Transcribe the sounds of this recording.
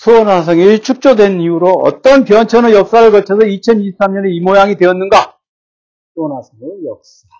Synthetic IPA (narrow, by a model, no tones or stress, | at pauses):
sʰuʌnas̬ʰʌŋit͡ɕʰuk̚t͡ɕ͈odwe̞niuɾoʌ̰t͈ʌnpjʌnt͡ɕʰʌnɯjʌk̚s͈aɾɯɭkʌɭt͡ɕʰʌsʰʌit͡ɕʰʌniɕip̚s͈amɲʌne̞imojaŋidwe̞ʌnːɯnɡa | sʰʌnasʰʌŋejʌk̚s͈a